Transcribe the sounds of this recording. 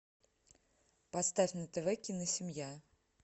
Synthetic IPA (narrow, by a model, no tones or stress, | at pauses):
pɐst̪afʲnət̪ɛvɛkʲinəsʲɪmja